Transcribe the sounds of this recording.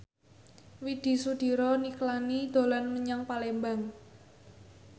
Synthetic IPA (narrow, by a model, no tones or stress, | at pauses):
wid̪̥i̤sud̪̥i̤ɾɔniklanid̪̥o̤lanməɲaŋpalembaŋ